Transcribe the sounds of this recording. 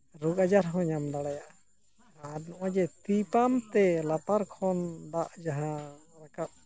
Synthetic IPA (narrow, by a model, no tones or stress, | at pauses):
ɾuɡad͡ʒaɾɦɔ̃ɲamd̪aɽajaʔ | anɔʔad͡ʒɛt̪ipamt̪ɛlat̪aɾkʰɔnd̪aʔd͡ʒaɦãɾakaʔ̚